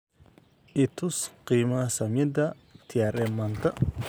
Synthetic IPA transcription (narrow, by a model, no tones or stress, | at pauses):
ʔit̪usqiːmasɐmɛd̪ɐ | t̪ʰiaɾɛmant̪ɐ